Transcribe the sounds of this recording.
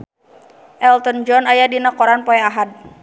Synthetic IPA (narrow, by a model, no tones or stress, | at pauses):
ʔɛlt̪ɔnd͡ʒɔnajadinakɔɾanpɔɛaɦad̪̚